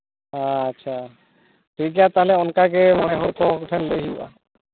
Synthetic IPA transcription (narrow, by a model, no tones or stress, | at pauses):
ɦaːtːʃʰa | ʈʰikjat̪aɦlɛɔnkakemɔneɦɔɾkɔkʈʰɛnlejɦiba̰